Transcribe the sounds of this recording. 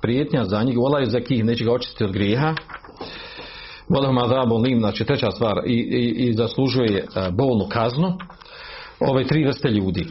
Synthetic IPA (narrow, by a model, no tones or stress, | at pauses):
pɾjeːt̪ɲazaɲiɡolˠajuzakiːhneːt͡ɕeɡao̞t͡ʃi̥t̪t̪io̞d̪ɡɾjeːɦa | wolˠaɦumaðabonliːmaːt͡ʃit̪ɾet͡ɕaːst̪ʋaːɾizaslˠuʒujebo̞ːlˠnukʰaznu | o̞ʋeːt̪ɾiːʋɾr̩st̪eʎuːd̪iː